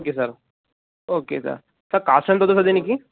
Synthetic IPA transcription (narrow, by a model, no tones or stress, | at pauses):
okesəɾ | okesə̰ɾ | səɾkasənt̪ot̪os̬əd̪eniki